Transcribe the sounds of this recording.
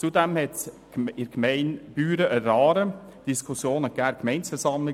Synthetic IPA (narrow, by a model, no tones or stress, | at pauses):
t͡sudɛmhɛt | ɪɾkmɛɪnb̥yːɾəʔəɾɑːɾə | d̥iskʰusjoːnəɡ̥æːkʰmɛɪnsfɛɾsɑmlɪ